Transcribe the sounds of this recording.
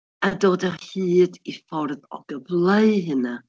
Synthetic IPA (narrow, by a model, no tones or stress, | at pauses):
adoːdahɨːdifɔrðɔ̰ɡ̥əblˠeɨɦɨna